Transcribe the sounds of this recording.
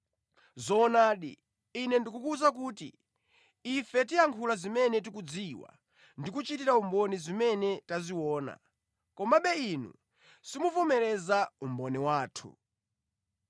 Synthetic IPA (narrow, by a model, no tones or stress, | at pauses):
zɔːnaːɗḭː | nɛndik̬ukuzak̬uːtḭː | fɛtiaŋkʰulazimɛnɛt̬ikud͡ziwa̰ | ndikut͡ʃitiɾaumbɔnizimɛnɛtaziwɔːna̰ | kɔmaɓɛinṵ | simufɔmɛɾɛzaumbɔnɛwaːtʰṵ